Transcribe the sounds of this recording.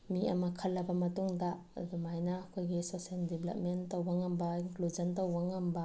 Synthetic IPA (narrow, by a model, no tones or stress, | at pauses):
miɐ̰mɐkʰɐlːɐbɐmɐtuŋda | majnaːkʰojɡisoseldeblɐ̰p̚mentɐwbaŋɐmbɐinklud͡ʒɐntɐwaŋɐmbɐ